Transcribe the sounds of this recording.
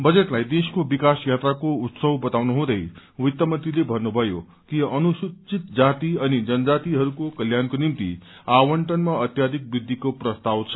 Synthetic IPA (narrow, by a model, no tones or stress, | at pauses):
bʌd͡zeʈlajd̪eskobikasjat̪ɾakout̪sʌwbʌt̪awnuɦũd̪ʌj | wit̪jʌmʌnt̪ilebʱʌnːubʱʌjo | kiʌnusut͡sit̪̚d͡zat̪iʌnid͡zʌnd͡zat̪iɦʌɾukokʌljankonimt̪ḭawʌɳʈʌnmaʌt̪jad̪ʱik̚bid̪ʱːikoprʌst̪awt͡sʰʌ̥